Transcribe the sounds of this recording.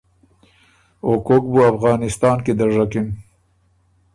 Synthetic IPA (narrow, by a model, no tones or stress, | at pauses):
okok̚buafɣɑːnɪst̪ɑːnked̪aʐakɪn